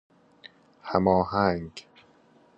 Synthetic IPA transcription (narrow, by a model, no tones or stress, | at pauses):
hæmɒːhæŋɡ